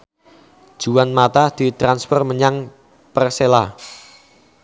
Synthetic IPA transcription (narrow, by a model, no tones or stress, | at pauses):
d̥ʒ̥uwanmat̪ad̪̥i̤t̪ɾanspɔrməɲaŋ | pərsela